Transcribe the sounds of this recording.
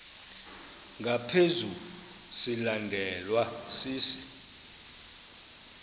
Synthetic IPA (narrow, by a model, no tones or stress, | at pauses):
ŋɡʱapʰezu | silandʱɛlwasiːsi̥